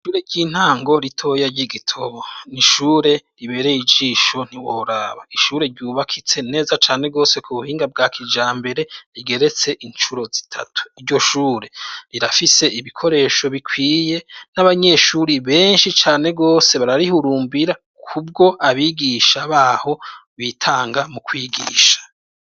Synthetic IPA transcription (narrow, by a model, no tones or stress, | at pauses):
iʃuːɾe̞ɾɟiːn̥haːŋɡo̞ɾitʰo̞jaɟiɡitʰo̞βo̞niʃuːɾe̞ɾiβe̞ɾeid͡ʒiːʃo̞n̥iwoɾaβaiʃuːɾe̞ɾɟuːβakʰit͡se̞ne̞ːzat͡ʃaːne̞ɡo̞ːse̞kʰuβuhiːŋɡab̚ɡaːkʰid͡ʒaːmbe̞ɾe̞ɾiɡe̞ɾe̞t͡se̞ʔiɲt͡ʃuɾo̞zi̥tʰa̰tʰu̥iɾɟo̞ʃuːɾe̞ɾiɾafise̞iβikʰo̞ɾe̞ːʃo̞βikʰwiːje̞naβaɲe̞ʃuɾiβe̞ːnʃit͡ʃaːne̞ɡo̞ːse̞βaɾaɾihuɾuːmbiɾa | kʰub̚ɡo̞aβiɡiʃaβaːho̞βitʰaːŋɡamukwiːɡḭːʃḁ